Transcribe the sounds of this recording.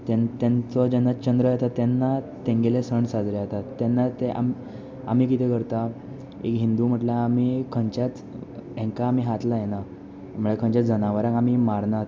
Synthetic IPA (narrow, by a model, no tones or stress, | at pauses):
t̪ent̪ẽnt͡sɔd͡ʑɛnːat͡ɕənd̪ɾəjɛt̪at̪ːɛnːat̪ẽŋɡelesəɳsad͡zleat̪at̪ːɛnːat̪eʔa̰m | a̰m̤iːk̬it̪ekəɾt̪a | ḛkɦind̪uːm̤əʈlaːmiːkʰəɲt͡ɕat͡s̪ | ɛ̃ŋkaːm̤iɦat̪lajena | m̤əɭekʰə̃ɲt͡ɕad͡zənaʋəɾãkam̤imaɾnat̪